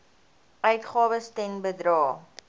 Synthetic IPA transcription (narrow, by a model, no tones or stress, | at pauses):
œɥtχɑːvəstɛnbədrɑː